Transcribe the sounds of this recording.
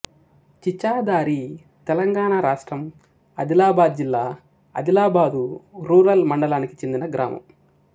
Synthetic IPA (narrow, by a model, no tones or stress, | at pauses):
t͡ʃit͡ʃːaːd̪aːɾi | t̪ɛlɐŋɡaːɳaːɾaːʂʈɾɐm | ɐ̰d̪ilaːbaːd̪̚d͡ʒilːaː | ɐ̰d̪ilaːbaːd̪uɾuːɾɐlmɐɳɖɐlaːniki̥t͡ʃe̞nd̪inɐɡɾʔa̰ːmɐ̰m